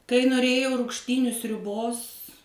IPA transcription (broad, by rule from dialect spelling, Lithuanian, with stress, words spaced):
kɐɪ noːˈrʲeːjɛʊ rʊkʃʲˈtʲiːnʲʊ sʲrʲʊˈboːs